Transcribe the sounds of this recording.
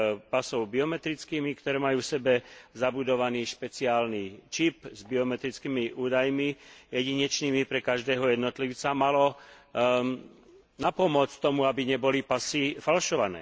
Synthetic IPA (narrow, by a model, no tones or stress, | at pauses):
pasɔʊbiɔmɛt̪ɾit͡skiːmikt̪ɔɾɛːmajuːfsɛbɛzabud̪ɔʋaniːʃpɛt͡siaːlnit͡ʃipzbiɔmɛt̪ɾit͡skiːmiʔuːd̪ajmijɛɟiɲɛt͡ʃniːmipɾɛkaʒd̪ɛːɦɔjɛd̪nɔt̪liʊt͡samalɔ | napɔmʊɔt͡st̪ɔmuabiɲɛbɔlipasifalʃɔʋanɛ̰ː